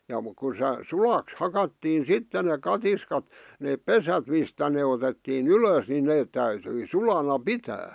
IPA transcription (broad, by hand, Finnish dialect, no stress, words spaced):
jɑ muk ku se sulɑks hɑkɑtːiːn̞ sitːe nek kɑtiskɑt neːp pesæt mistæ ne otetːiːn yløs nin neːt tæytyi sulɑnɑ pitæː